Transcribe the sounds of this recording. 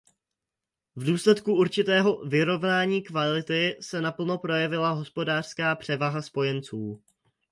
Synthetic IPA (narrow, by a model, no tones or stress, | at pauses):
vduːslɛt̪kuuɾt͡ʃɪt̪ɛːɦo̞vɪɾo̞vnaːɲiːkvalɪt̪ɪsɛnapl̩no̞pɾo̞jɛvɪlaɦo̞spo̞daːr̥skaːpr̝̥ɛvaɦaspo̞jɛnt͡suː